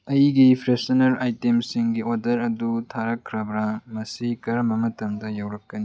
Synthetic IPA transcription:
ɐjɡipʰɾesɐnɐɾajtemsiŋɡioɾdɐɾɐdutʰaɾɐkʰːɾɐbɾɐmɐsikɐɾɐmbɐmɐtɐmdɐjawɾɐkːɐni

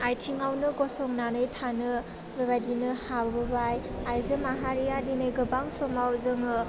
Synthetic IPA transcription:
ajtʰiŋawnɯɡɔsɔŋnanɯjtʰanɯ | bebajdinɯhabbɯbaj | ajzɯmaɦaɾijadinɯjɡɯbaŋsɔmawzɯmɯ

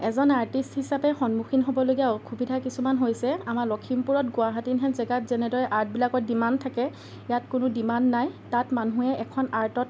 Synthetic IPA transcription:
ɛzɔnaɹtisthisapɛxɔnmuxʰinɦobɔloɡijaɔkʰubidʱakisumanɦojsɛamaɹlɔkʰimpuɹɔtɡʊaɦatinɦɛnzɛɡatzɛnɛdɔɹɛʔaɹt̚bilakɔdimantʰakɛ | jatkʊnʊdimanːajtatmanuɛʔɛkʰɔnaɹtɔt̚

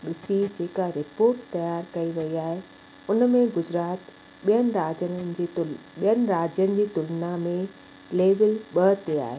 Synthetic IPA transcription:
ɓɪsid͡ʑeːkaɾɪpoːɾʈt̪ɐjaːɾkɐiʋɐiaːɦe | ʊnmẽɡʊd͡ʑɾaːt̪ | ɓijənɪ̆ɾaːd͡ʑənənɪ̆d͡ʑ | ijənɪ̆ɾaːd͡ʑjənɪ̆d͡ʑiːt̪ʊlnamẽ | leːʋɪlɓɐt̪ea̰ːɦe

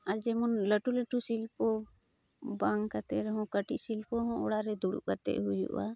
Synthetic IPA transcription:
ad͡ʒɛmɔnləʈuləʈusilpɔ | baŋkat̪ɛɾɛɦɔ̃kəʈiʔsilpɔɦɔ̃ʔɔɽaɾɛd̪uɽṵʔkat̪ɛ̰ʔhujṵʔwa̰

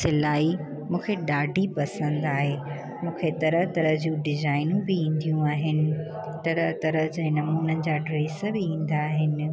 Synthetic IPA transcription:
sɪlaːi | mũːkʰeɗaːɖʱipɐsə̃nd̪aːɦe | mũːkʰet̪ɐɾəɦt̪ɐɾəɦd͡ʑũɖɪzaːɪnũbɪĩːn̆d̪ijũaːɦɪnɪ̆ | t̪ɐɾəɦt̪ɐɾəɦd͡ʑẽːnɐmuːnənɪ̆d͡ʑaːɖɾeːsbɪĩːn̆d̪aːɦɪnɪ̆

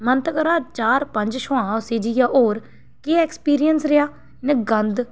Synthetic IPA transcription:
mənt̪kəɾaːt͡ʃaːɾpəɲd͡ʒʃʊãːʊseːd͡ʒijaːʔoːɾ | keːɛːkspiːɾijənsɾɪjaː | nɪɡənd̪

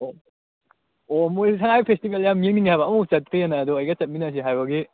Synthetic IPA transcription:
o | omosʰaŋajpʰestibeljamːieŋniŋihajbɐːmɐut͡ʃɐt̚kʰɾijenːaːdɔɐjɡɐt͡ʃɐt̚minas̬iɦajbɐɡi

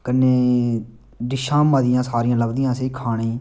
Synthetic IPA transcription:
kənːeː | d̪ɪʃãːməd̪ɪjãːsaːɾijãːləbd̪ijãːseːkʰaːɳeː

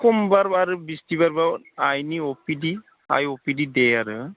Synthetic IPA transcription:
kɔmbaɾbaɾɯbistiβaɾba | ajniɔpidi | a̰jɔpididɛaɾɯ

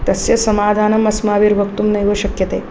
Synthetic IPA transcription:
t̪ɐsjɐsɐmaːd̪ʱaːnɐmɐsmaːʋiːɾʋʱɐkt̪umnɐjʋəɕɐkjɐt̪eː

